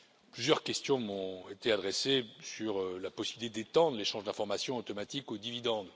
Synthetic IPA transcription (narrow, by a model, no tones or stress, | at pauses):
plyzjœʁkʲɛst̪jɔ̃mɔ̃et̪ead̪ʁesesyʁlapɔsibilit̪ed̪et̪ɑ̃d̪ʁleʃɑ̃ʒd̪ɛ̃fɔʁmasjɔ̃ot̪ɔmat̪ikod̪ivid̪ɑ̃d̪